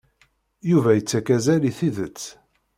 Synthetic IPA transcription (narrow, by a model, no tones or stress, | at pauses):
juvæjət͡sːækæzæliθiðət͡sː